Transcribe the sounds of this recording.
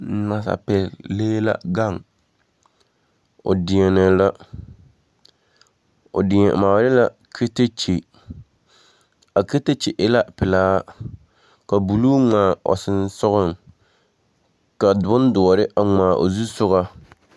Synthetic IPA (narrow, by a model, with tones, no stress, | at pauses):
na˨sa̰˨pɛ˨lleː˦la̰˦ɡa˦˨ŋ | ʊ̰˨dɪ˨ɛ˨nɛ˨la˦ | ʊ̰˨dɪ˨ɛ̰˨maː˨˦ɾɪ˦la˦˨ | kʰe˦te˦t͡ʃe˨ | a˨ke˦te˦t͡ʃe˨ʔɪ˦la˦pɪ˨laː˦ | ka˨bu˨lu˦ŋaː˨ɔ̰˨sɪ˦nsʊ˦ɣʊ˦ŋ | ka˨bʊ˦n˦dʊ˨ɔ˨ɾɪ˦ʔa˨ŋaː˨ʔo̰˨zu˦sʊ˦ɣa˦